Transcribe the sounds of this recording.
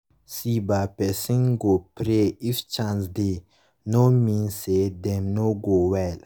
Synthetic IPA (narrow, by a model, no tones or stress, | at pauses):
sibapesĩŋɡopɾeift͡ʃãns̬d̪e | nomĩːnsed̪emnoɡoːwɛl